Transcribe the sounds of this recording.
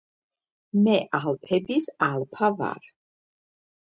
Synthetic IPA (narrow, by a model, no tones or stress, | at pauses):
mɛʔalpʰɛbisalpʰava̰ɾ